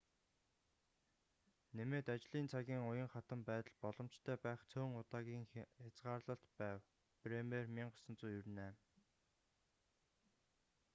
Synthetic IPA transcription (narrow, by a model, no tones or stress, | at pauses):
nemeːt̪at͡ɕɮiːnt͡sʰaɣʲiːŋʊjə̆ŋχat̪ə̆mpæːt̪ə̆ɮpɔɮɞ̆m̥t͡ɕt̪ʰœːpæːχt͡sʰoːŋʊt̪aːɣʲiːŋxat͡sɢaːrɮə̆ɬt̪pæːw | premermiɴɢʊsə̆nt͡suːjɵrnæː